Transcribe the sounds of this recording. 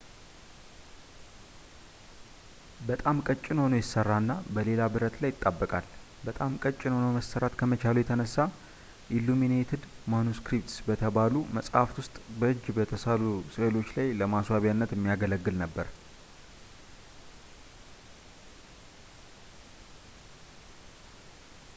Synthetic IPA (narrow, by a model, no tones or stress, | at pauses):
bət̪ʼamkʼət͡ʃʼːɪnho̞nojɪsːərːanːabəle̞labɨɾət̪lajɪt̪ʼːabːəkʼal | bət̪ʼamkʼət͡ʃʼːɪnho̞noməstəɾat̪kʰəmət͡ʃʰalujɛt̪ʰənəsːa | ʔilːuminet̪ʰɪd̪manuskɾip̚t̪sbət̪ʰəbaluməsʼhaft̪wʊst̪ʼbəʔɨd͡ʒːbət̪ʰəsalusəlo̞t͡ʃːlajləmaswaβjanːət̪ɛmːijaɡələɡːɨlnəbːəɾ